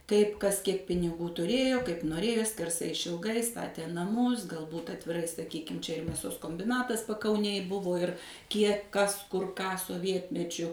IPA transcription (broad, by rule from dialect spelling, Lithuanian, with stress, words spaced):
ˈtɐɪp ˈkɐs ˈkʲiɛk pʲɪnʲɪˈɡuː tʊˈrʲeːjoː kɐɪp noːˈrʲeːjoː sʲkʲɛrˈsɐɪ ɪʃʲɪlˠˈɡɐɪ ˈstɑːtʲeː nɐˈmʊs ɡɐlˠˈbuːt ɐtʲʋʲɪˈrɐɪ sɐˈkʲiːkʲɪm ˈt͡ʃʲɛ ɪr mʲeːˈsoːs koːmʲbʲɪˈnɑːtɐs pɐkɐʊˈnʲeːj ˈbʊʋoː ɪr ˈkʲiɛk ˈkɐs ˈkʊr ˈkɑː soːˈʋʲiɛtʲmʲɛt͡ʃʲʊ